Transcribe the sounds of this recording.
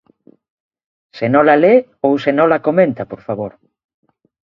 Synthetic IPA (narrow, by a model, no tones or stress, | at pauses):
senõlale | owsenõlakomẽnt̪apoɾfaβoɾ